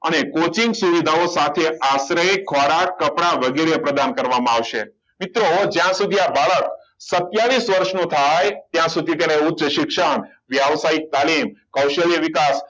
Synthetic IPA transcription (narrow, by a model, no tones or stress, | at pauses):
ənekot͡ʃĩŋɡsuʋid̪ʱaosat̪ʰeasɾəjkʰɔɾakːəpɳaʋəɡeɾepɾəd̪ankəɾʋamãaʋʃe | mit̪ɾod͡ʒjãsud̪ʱiabaɭək̚ | sət̪jaʋisʋəɾʃnũt̪ʰajt̪jãsud̪ʱit̪eneutːt͡ʃəʃɪkʃəɳ | ʋjaʋsaik̚t̪alimkəwʃəlijʋikas